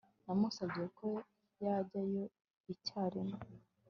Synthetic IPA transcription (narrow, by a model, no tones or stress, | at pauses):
namusabɡiekʰo | jaɟajo̞ | icaːɾimo